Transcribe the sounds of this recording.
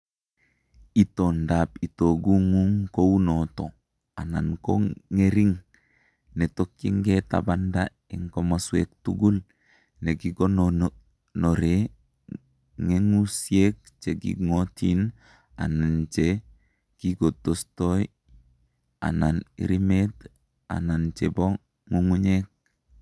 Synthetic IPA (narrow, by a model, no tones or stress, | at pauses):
itondapitoɡuŋuŋkownoto | ananko̰ŋeɾiŋ | netokːiŋɡeta̰banda | iŋkomaswḛk̚tuɡul | neɡiɡon | noɾe | ŋeŋusiek̚ | t͡ʃeɡḭŋotin | a̰nant͡ʃe | kiɡotostoj | a̰nanḭɾimet | a̰nant͡ʃebo | ŋuŋuɲek̚